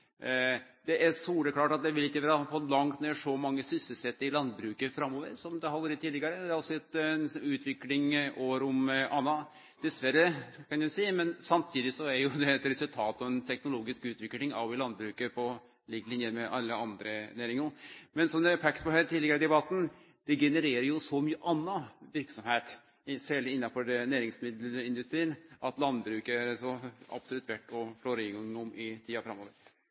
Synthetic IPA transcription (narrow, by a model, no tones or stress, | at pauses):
d̪ɛʔæɾsuːɖəkʰlɑːʈɑt̪̚d̪ɛʋɪlɪkːəʋæːɾɑfɔlɑŋt̪neːʂɔmɑŋːəsʏsəsɛt̪ːɪlɑnbɾʉːkəfɾɑmːoːʋə̰ɾsɔmd̪ɛhɑʋɔɾət̪ʰːiːlɪɡɑɾəd̪ɛæɾɑlsɔɛt̪sʉːt̪ʰʋɪklɪŋʔoːɾʊmʔɑnːɑ | d̪̥ɛsʋæɾəkʰɑnjɛsiːmɛnsɑmt̪ʰiːd̪ɪsɔæɾjʊd̪ɛːt̪ɾɛsʉlt̪ʰɑːt̪ɑʋɛnt̪ʰɛknʊloːɡɪskʉːt̪ʋɪklɪŋɑ̰ʋɪlɑnbɾʉːkəpʰɔ | lɪɡlɪnjəɾmɛʔɑlːəɑnd̪ɾənæːɾɪŋʊmɛnsɔmd̪ɛpʰæk̪pɔhæːɾt̪ʰiːɛɡəɾɪd̪ɛbɑt̪ːn | d̪̥ɛɡɛnəɾeːɾəɾjʊsɔmyːəʔɑnːɑʋɪɾksɔmheːt̪ | sæːɭəɪnːɑfɔɖɛnæːɾɪŋsmɪd̪ləlɪnd̪ʉst̪ɾiːnʔɑt̪lɑnbɾʉːkəæɾsɔɑ̰b̥sɔlʉt̪ʋæʈːɔfɭoːɾɪŋɔmɪt̪ʰiːɑfɾɑmːoːʋə